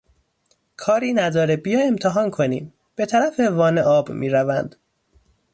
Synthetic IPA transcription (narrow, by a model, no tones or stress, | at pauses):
kʰɒːɾiːnæd̪ɒːɾebijɒːemt̪ʰeɦɒːnkʰo̞nḭːm | b̥e̞t̪ʰæɾæfevɒːneʔɒːbmḭːɾævænd̪̥